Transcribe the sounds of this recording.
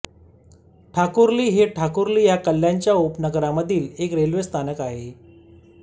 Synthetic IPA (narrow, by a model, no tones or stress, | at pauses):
ʈʰakuɾliːɦeʈʰakuɾliːjakəlːjaɲt͡ɕjaopnəɡəɾaməd̪ʱiːlekɾelʋest̪ʰanəkaɦe